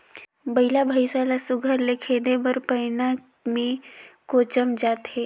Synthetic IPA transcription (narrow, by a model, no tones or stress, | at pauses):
bɐɪlabʱaːisaːlasʊɡʱəɾlekʰed̪ebəɾpəːɪna | mẽkoːt͡ʃəmd͡ʒaːt̪ɦɛː